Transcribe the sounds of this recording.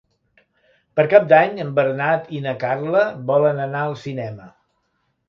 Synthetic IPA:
pəɾkap̚d̪aɲəmbəɾnat̪inəkarləβɔlənənaəlˠsinɛmə

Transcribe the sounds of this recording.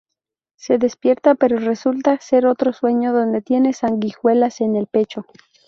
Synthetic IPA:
se̞ðe̞spje̞ɾt̪ape̞ɾo̞re̞sult̪ase̞ɾo̞t̪ɾo̞swe̞ɲo̞ðo̞nd̪e̞t̪je̞ne̞saŋɡixwe̞lase̞ne̞lpe̞t͡ʃo̞

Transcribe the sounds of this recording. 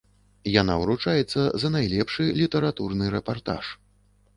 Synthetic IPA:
janawɾut͡ʂajɛt̪sːɐzɐnajlʲɛpʂɨlʲit̪ɛɾat̪urnɨɾɛpart̪a̰ʂ

